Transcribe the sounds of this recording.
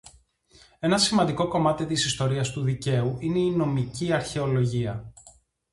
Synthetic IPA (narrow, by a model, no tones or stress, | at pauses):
e̞nɐsimɐnd̪iko̞ko̞mɐt̪it̪isist̪o̞ɾiɐst̪uðice̞uʔine̞ino̞miciɐɾçe̞o̞lo̞ʝiɐ